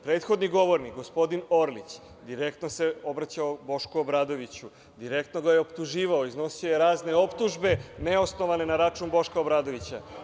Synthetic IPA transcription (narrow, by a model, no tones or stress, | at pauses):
pɾe̞ːt̪xo̞d̪niɡo̞ʋo̞ɾnikɡo̞spo̞d̪ino̞ɾlit͡ɕ | d̪iɾekt̪nose̞o̞bɾat͡ɕaobo̞ʃkuobɾaːd̪o̞ʋit͡ɕu | d̪iɾe̞kt̪no̞ɡajeopt̪uʒiːʋaoizno̞siojeɾaːzne̞o̞pt̪uʒbe̞ne̞o̞sno̞ʋane̞naɾat͡ʃumbo̞ʃkaobɾaːd̪o̞ʋit͡ɕa̰